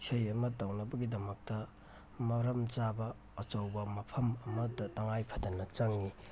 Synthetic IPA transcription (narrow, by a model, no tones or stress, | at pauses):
t͡ʃʰɐjɐmɐtawnɐbɐɡidɐmɐk̚tɐ | mɐɾɐmt͡ʃabɐː | t͡ʃɐwbɐmɐpʰɐmɐmɐdɐtɐŋajpʰɐdɐnɐt͡ʃaŋːi